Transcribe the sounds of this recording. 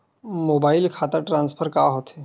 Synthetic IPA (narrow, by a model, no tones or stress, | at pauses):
moːbaːɪlkʰaːt̪aʈɾãːnspʰəɾkaːɦoːt̪ɦɛː